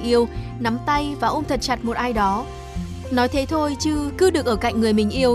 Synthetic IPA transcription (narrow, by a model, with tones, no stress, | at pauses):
ʔi˧əwna˨˦mt̪a˧jvaː˨˩ʔo˧ŋ͡mt̪ʰə˨˩t̚t͡ɕa˨˩t̚mo˨˩t̚ʔaː˧jɗɔ˨˦ | nɔ˨˦jt̪ʰe˨˦t̪ʰo˧jt͡ɕɨ˧kɨ˨˧˥ɗɨ˨˩ək̚ʔəː˧˩ka̰˧˨ŋ̟ŋɨ˨˩əjmï˨˩ŋ̟ʔi˧əw